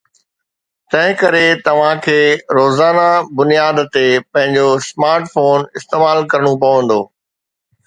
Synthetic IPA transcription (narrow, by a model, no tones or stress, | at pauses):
t̪ɐ̃ɦɪ̃kɐɾet̪ɐʋ̤ãkʰeːɾoːzaːnabʊnijaːd̪t̪epɐ̃ɦɪ̃ɲd͡ʑosmaːɾʈfoːnɪst̪eːmaːlkɐɾəɽ̃up̬ɐʋə̃nd̪oː